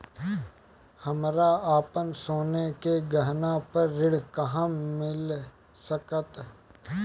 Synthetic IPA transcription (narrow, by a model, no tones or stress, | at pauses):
hɐmɾaaːpənsoːnekeɡəɦnapəɾːɪɽ̤kɐɦãmɪl | səkət̪